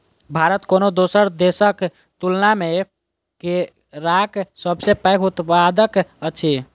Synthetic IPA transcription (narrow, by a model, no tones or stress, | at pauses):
bʱaɾət̪konod̪osəɾd̪esək | t̪ulname | ke | ɾaksəbsepəjkʰut̪ad̪əkət͡ʃʰi